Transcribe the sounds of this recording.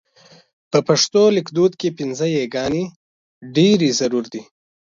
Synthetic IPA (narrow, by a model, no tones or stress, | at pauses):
pəpaʂt̪olɪkd̪ud̪kepɪnzəjeɡɑne | ɖeɾezaɾuɾd̪i